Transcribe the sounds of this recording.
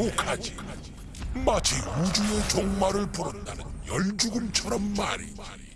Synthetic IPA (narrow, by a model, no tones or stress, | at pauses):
kʰad͡ʑi | mat͡ɕʰiud͡ʑujet͡ɕoŋmaɾɯɭpuɾʌt̚t͈anɯnjʌɭd͡ʑuɡɯmt͡ɕʰʌɾʌmːaɾḭ